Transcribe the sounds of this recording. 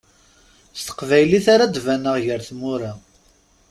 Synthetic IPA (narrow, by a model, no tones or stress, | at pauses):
st̪ə̥qvæjliθaɾad̪vænəʁʝəɾθmʊɾa